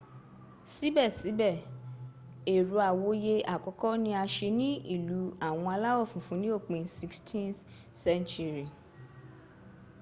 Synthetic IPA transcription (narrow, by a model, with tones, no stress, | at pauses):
si˨˦bɛ˦˨si˨˦bɛ˦˨ | e˨ɾu˧˦a˨wo˨˦je˧a˨kɔ˨˦kɔ˦nĩ˧˦a˧ʃe˧nĩ˦ḭ˦˨lu˨˦a˦˨w̃ɔ̃˧a˧la˦ɔ˦˨fũ˨fũ˨˦nĩ˦o˦˨k͡pẽ˨˧si˦kstʰĩ˦nθ | sɛ̃˦nt͡ʃu˧ɾi˨